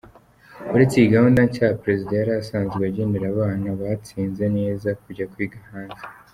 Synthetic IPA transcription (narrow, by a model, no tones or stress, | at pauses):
uɾet͡siiɡahundaɲcaːhapɾe̞zidajaɾaːsaːnzɡweaɟe̞ːndeɾaβaːnaβat͡siːnze̞ne̞ːzakuɟakwiːɡahaːnze